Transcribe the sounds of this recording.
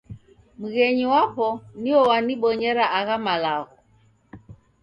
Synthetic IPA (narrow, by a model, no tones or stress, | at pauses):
muɣɛɲiwapɔniɔwaniɓɔɲɛɾaʔaɣamalaɣɔ